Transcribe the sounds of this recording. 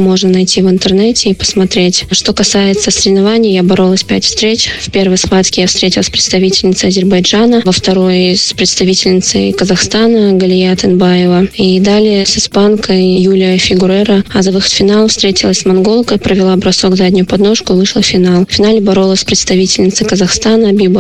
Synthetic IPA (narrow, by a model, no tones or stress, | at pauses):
mo̞ʐnənɐjtʲivɨnt̪ɨrnɛtʲɪipə̥smɐt̪ɾʲetʲʂt̪o̞kɐsajɪt̪səsəɾʲɪvnɐvanʲɪjəjabɐɾo̞lˠəsʲpʲætʲfst̪ɾʲet͡ɕʲfpʲe̞rvəjspat̪kʲɪjafst̪ɾʲetʲɪlˠəsʲpɾʲɪt̪st̪ɐvʲitʲɪlʲnʲɪt̪sɨɐzʲɪrbɐjd͡ʐanəvəft̪ɐɾo̞jspɾʲɪt̪st̪ɐvʲitʲɪlʲnʲɪt̪sə̰jkəzɐxst̪anəɡəlʲɪjaɐt̪ɐnbajɪvəid̪alʲɪəsɨspankʰəjjulʲɪəfʲɪɡʊɾɛɾəazɐvɨxə̥t̪fʲɪnalˠfst̪ɾʲetʲɪlˠəsʲsmɐnɡo̞lˠkəpɾəvʲɪlˠabɾɐsoɡzadʲnʲʊjʊpɐd̪no̞ʂkʊɨvɨʂlˠəfʲɪnalˠfʲɪnalʲɪbɐɾo̞lˠəsʲsʲpɾʲɪt̪st̪ɐvʲitʲɪlʲnʲɪt̪sɨkəzɐxst̪anəɐbʲib